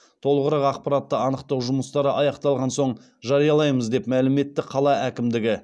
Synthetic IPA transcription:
t̪ʰo̞lˠəʁəɾɑqɑqpɑɾɑt̪ːəɑnəqt̪ɑwʒʊməst̪ɑɾəʔɑjɑqt̪ɑlˠʁɑnso̞ɴ | ʒɑɾijɑlˠɑjməzd̪e̞pmælɪme̞t̪ːɪqʰɑlˠɑʔækʲɪmd̪ɪɡʲɪ

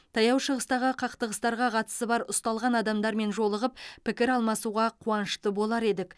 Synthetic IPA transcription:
t̪ʰɑjɑwʃəʁəst̪ɑʁəqʰɑqt̪əʁəst̪ɑɾʁɑqʰɑt̪ə̥səbɑɾʊst̪ɑlˠʁɑnɑd̪ɑmd̪ɑɾme̞nʒo̞lˠəʁəp̚pʰɪkʲɪɾɑlˠmɑsuʁɑqʰuɑnəʃt̪əbo̞lˠɑɾe̞d̪ɪk

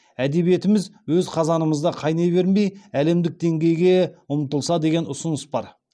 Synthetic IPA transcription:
æd̪e̞βje̞t̪ɪmɪzwɵzqʰɑzɑnəməzd̪ɑqʰɑjnejbe̞ɾmejæle̞md̪ɪk̚d̪e̞ŋɡʲe̞jɡʲe̞ʊmt̪əlˠsɑd̪e̞ɡʲenʊsʊnəsbɑɾ

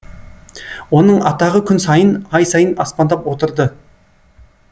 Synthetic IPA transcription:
wo̞nəɴɑt̪ɑʁəkʲʰʏnsɑjənɑjsɑjənɑspɑnd̪ɑpwo̞t̪əɾd̪ə

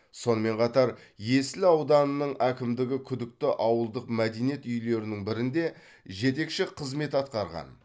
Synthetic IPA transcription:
so̞nəme̞ɴqʰɑt̪ɑɾje̞sɪlɑwd̪ɑnənəɴækʲɪmd̪ɪɡʲɪkʲʰʏd̪ɪk̚t̪ɪʔɑwəlˠd̪əqmæd̪ejnije̞t̪ʏjle̞ɾɪnɪŋbɪɾɪnd̪e̞ | ʒe̞t̪̬e̞kʃɪqʰəzme̞t̪ɑt̪̚qɑɾʁɑ̰n

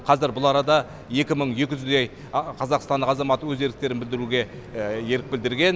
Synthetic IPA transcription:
qʰɑzɪɾbʊlˠɑɾɑd̪ɑ | je̞kʲɪməɴje̞kʲɪʒʏzd̪ej | qʰɑzɑqst̪ɑnd̪əqɑzɑmɑt̪əwɵze̞lɪk̚t̪e̞ɾɪnbɪld̪ɪɾuɡʲe̞ | je̞ɾɪk̚bɪld̪ɪɾɡʲe̞n

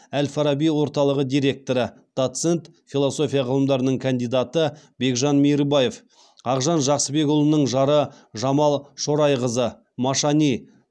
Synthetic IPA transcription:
ælfɑɾɑbijwo̞ɾt̪ɑlˠəʁəd̪ijɾe̞k̚t̪oɾəd̪̥ot̪se̞nt̪fʲilˠo̞so̞fʲijɑʁəlˠəmd̪ɑɾənəɴkʰand̪ijd̪ɑt̪ə | be̞kʒɑnmijɾbɑje̞f | ɑqʒɑnʒɑqsəbe̞kʊlˠənəɴʒɑɾə | ʒɑmɑlˠʃo̞ɾɑjʁəzə | mɑʃɑnij

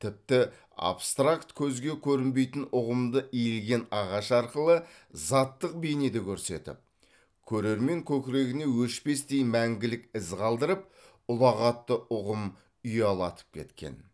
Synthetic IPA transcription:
t̪ʰɪp̚t̪ɪ | a̰pst̪rakt̪kʲʰɵzɡʲe̞kʲʰɵɾɪmbe̞jt̪ɪnʊʁəmd̪əijɪlɡʲe̞nɑʁɑʃɑɾqəlˠə | zɑt̪ːəq̚bejned̪ekʲʰɵɾse̞̰t̪ɪ̰p̚ | kʲʰɵɾe̞ɾme̞ŋkʲʰɵkʲɪɾe̞ɡʲɪne̞wɵʃpe̞st̪ejmæŋɡʲɪlɪkʲɪzqʰɑlˠd̪əɾəp̚ | ʊlˠɑʁɑt̪ːəʔʊʁəm | ʏjɑlˠɑt̪ə̥p̚kʲʰe̞̰t̪kʲe̞̰n

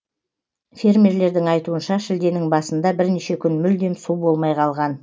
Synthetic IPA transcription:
fʲe̞rmʲeɾle̞ɾd̪ɪŋɑjt̪uənʃɑʃɪld̪e̞nɪŋbɑsənd̪ɑbɪɾneʃe̞kʲʰʏnmʏld̪e̞msubo̞lˠmɑjqʰɑlˠʁɑn

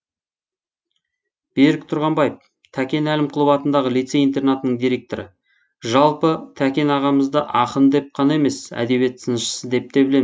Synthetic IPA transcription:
b̥eɾɪk̚t̪ʰʊɾʁɑmbɑjəp | t̪ʰækʲe̞nælɪmqʰəlˠəpɑt̪ənd̪ɑʁəlijt̪se̞int̪e̞rnat̪ənəɴd̪ijɾe̞k̚t̪oɾə̰ | ʒɑlˠpət̪ʰækʲe̞nɑʁɑməzd̪əʔɑqənd̪e̞p̚qʰɑnɑe̞me̞sæ̰d̪e̞be̞t̪sənəʃə̥səd̪e̞p̚t̪e̞bɪle̞mz

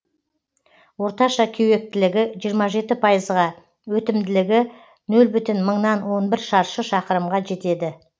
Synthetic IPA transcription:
wo̞ɾt̪ɑʃɑkʲʰewe̞k̚t̪ɪlɪɡʲɪʒijəɾmɑʒe̞t̪ɪpʰɑjəzʁɑ | wɵt̪ɪmd̪ɪlɪɡʲɪ | nɵlbʏt̪ɪnməɴnɑnwo̞nbɪɾʃɑɾʃəʃɑqəɾəmʁɑʒe̞t̪e̞d̪ɪ

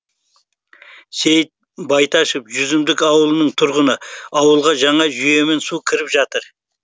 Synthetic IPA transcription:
se̞jt̪̚ | bɑjt̪ɑʃəpʒʏzɪmd̪ɪkɑwəlˠənəɴt̪ʰʊɾʁənəɑwəlˠʁɑʒɑɴɑʒʏje̞me̞nsukʲʰɪɾɪpʒɑt̪əɾ

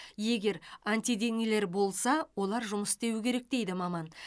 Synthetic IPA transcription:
je̞ɡʲe̞ɾant̪ijd̪e̞ŋele̞ɾbo̞lˠsɑwo̞lˠɑɾʒʊməsd̪e̞wɪkʲʰe̞ɾek̚d̪e̞jd̪ɪmɑmɑn

